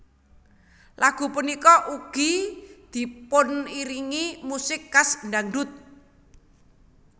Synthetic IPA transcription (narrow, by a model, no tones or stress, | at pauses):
laɡ̥ṳpunikɔʔuɡ̥i̤d̪̥i̤pʊniɾiŋimusɪkːasndaŋɖʊt̪̚